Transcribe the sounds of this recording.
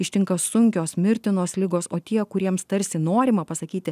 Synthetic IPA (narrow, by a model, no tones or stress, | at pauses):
ɪʃʲt̪ʲɪŋkɐsʊŋʲkʲoːsmʲɪɾʲt̪ʲɪnoːslʲɪɡoːsoːt̪ʲiɛkʊɾʲiɛmst̪ɐɾʲsʲɪnoːɾʲɪmɐpɐsɐkʲiːt̪ʲɪ